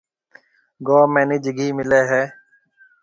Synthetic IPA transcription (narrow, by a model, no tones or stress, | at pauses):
ɡoːmeːnɪːd͡ʒɡʱiːmɪleːɦɛː